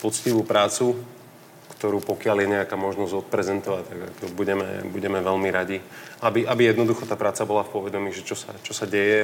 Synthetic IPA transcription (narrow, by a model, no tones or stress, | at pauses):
pɔt͡sciʋuːpɾaːt͡su | kt̪ɔɾuːpɔkɪaljɛɲɛakaːmɔʒnɔzɟɔt̪̚pɾɛzɛnt̪ɔʋact̪aɡa̰kɔbuɟɛmɛ̰buɟɛmɛʋɛlmiɾaɟiabiʔabijɛd̪nɔd̪uxɔt̪aːpɾaːt͡sabɔlafpʊɔʋɛd̪ɔmiːʒɛt͡ʃɔsa̰t͡ʃɔsaɟɛjɛ